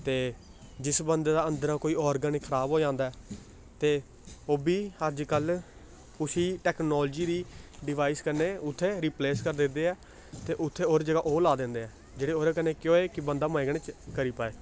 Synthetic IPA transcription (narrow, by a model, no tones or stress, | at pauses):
t̪eː | d͡ʒɪsbənd̪eːd̪aːə̃nd̪əɾãːkoːiːɔːɾɡəniːkʰəɾaːbɦoːd͡ʒãːnd̪aːɛː | t̪eː | oːbiːəd͡ʒkəl | kʊsiːʈɛːknɔːld͡ʒiːd̪iːɖɪʋaːiskəɾneːʊt̪ʰːeːɾiːpleːskəɾd̪ɪnd̪eːɛː | t̪eːʔʊt̪ʰːeːoːɾd͡ʒəɡaːʔoːlaːd̪ɪ̃ːnd̪eːɛː | d͡ʒeːɽeːoːɾekəneːkjõːeːkɪbənd̪aːmə̃ɡəɽeːt͡ʃkəɾiːpaːeː